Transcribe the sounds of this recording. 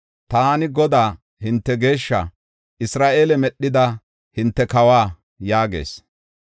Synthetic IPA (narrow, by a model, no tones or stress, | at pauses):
t̪aːnɪɡɔd̪aː | hɪnt̪ːɛɡe̞ːʃːɐ̰ | ʔɪsɾaːʔe̞ːlɛmɛɗːɪd̪ɐ | hɪnt̪ːɛkɐwaː | jaːɡe̞̰ːs